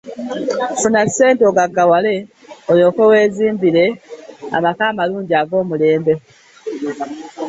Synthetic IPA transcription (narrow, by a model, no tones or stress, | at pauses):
funase̞ːntoɡaɡawale̞ | ojo̞ːke̞we̞ːziːmbile̞a̰makaːmaluːɲɟiaɡo̞ːmule̞ːmbe